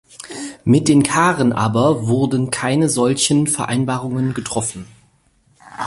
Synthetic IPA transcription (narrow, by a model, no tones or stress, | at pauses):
mɪt̚d̥eːnkʰaːʁənʔa̰ːbɐvʊɐdn̩kʰaɪnəzɔlçənfɛɐʔa̰ɪnbaːʁʊŋənɡətʁ̥ɔfn̩